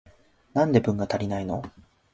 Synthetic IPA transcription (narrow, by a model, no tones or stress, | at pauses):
nãnd̪e̞bɯ̟̃ŋɡat̪aɾʲinaino̞̰